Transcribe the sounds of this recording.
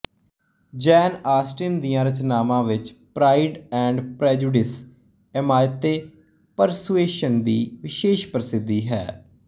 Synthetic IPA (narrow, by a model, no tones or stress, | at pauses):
d͡ʒɛːnaːsʈɪnd̪ijãːɾət͡ʃnaːmãːʋɪt͡ʃpɾaːɪɖɛ̃ːɳɖpɾɛːd͡ʒuːɖɪs | ɛmaːjət̪eː | pəɾsueːʃənd̪iːʋɪʃeːʃpəɾsɪd̪iːɦɛː